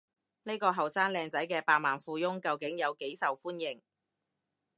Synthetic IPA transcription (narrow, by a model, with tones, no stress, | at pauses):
ne˥jkɔː˧ɦɐ˨˩wsaː˥nlɛː˧ŋt͡sɐ˨˥jkɛː˧paː˧k̚maː˨˩nfuː˧jʊ˥ŋkɐ˧wkɪ˨˥ŋjɐ˨˧wke˨˥jsɐ˨wfuː˥njɪ˨˩ŋ